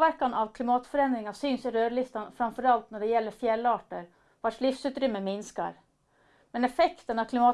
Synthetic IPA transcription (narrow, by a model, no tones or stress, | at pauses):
ʋæɾkanɑʋkʰlɪmɑːt̪fɔɾɛnd̪ɾɪŋasyːnsɪɾøːɾɭɪst̪ɑnfɾamfɔɾɑlt̪nɔɖɛjɛlːəɾfjɛlːɑːʈəɾ | ʋɑʂlɪfsʉːt̪ɾʏmːəmɪnska̰ɾ | mɛnɛfɛkt̪ənɑvkʰlɪmɑː